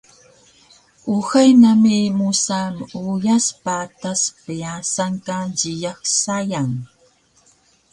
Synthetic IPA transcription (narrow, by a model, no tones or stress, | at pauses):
uxajnamimusamujaspat̪aspiasaŋkaɟijaxsajaŋ